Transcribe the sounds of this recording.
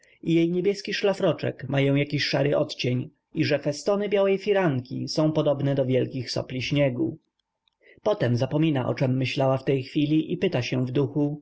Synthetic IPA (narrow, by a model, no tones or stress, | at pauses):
ijejɲebʲjɛskʲiʂlafɾɔt͡ʂɛ̰kmajɔ̃w̃jakʲiɕʂaɾɘʔɔt̪t͡ɕeɲ | iʐɛfɛst̪ɔnɘbʲjawɛjfʲiɾaŋkʲḭsɔ̃w̃pɔd̪ɔbnɛd̪ɔvʲjɛlkʲixsɔ̰plʲiɕɲɛɡṵ | pɔt̪ɛmzapɔmʲinaʔɔ̰t͡ʂɛmːɘɕlawaft̪ɛjxfʲilʲiʔipɘt̪aɕɛvd̪uxu